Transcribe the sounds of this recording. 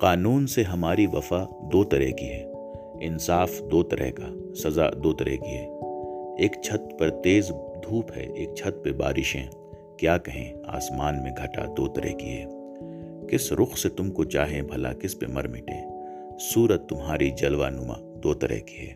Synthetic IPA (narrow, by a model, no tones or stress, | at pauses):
qaːnuːnseɦɐmaːɾiʋɐfa | d̪oːt̪ɐɾɛ̰ɦkiɦɛː | ɪnsaːfd̪oːt̪ɐɾʔɛ̰ɦka | sɐza̰ːd̪oːt̪ɐɾɛ̰ɦkiɦɛː | eːkt͡ʃʰɐt̪̚pɐɾt̪eːzd̪ʱuːpɦɛ̰ʔeːk̚t͡ʃʰɐt̪̚peba̰ːɾʔɪʃẽ | kjaːkɐɦḛ̃ | a̰ːsmaːnmẽɡʱɐʈa̰d̪oːt̪ɐɾɛ̰ɦkiɦɛ̰ː | kɪsɾʔʊxset̪ʊmkot͡ʃaːɦẽbʱɐla̰kɪspḛmɐ̰ɾmɪ̰ʈḛ̃ː | suːɾət̪ːʊmɦaːɾid͡ʒɐlʋanʊmã̰ | d̪oːt̪ɐɾɛ̰ɦki̥ɦɛ̰ː